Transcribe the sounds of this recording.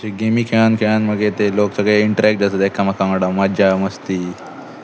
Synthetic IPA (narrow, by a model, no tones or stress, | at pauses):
t͡ɕeɡemiːkʰeɭ̃ankʰeɭanməɡet̪eloksəɡeiɳʈəɾɛk̚ʈd͡zəsəd̪ekʰːamakaməɽamad͡ʑʱjaməst̪iː